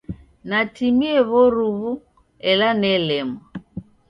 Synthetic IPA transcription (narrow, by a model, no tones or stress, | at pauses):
natimiɛβɔɾuβu | ɛlanɛlɛma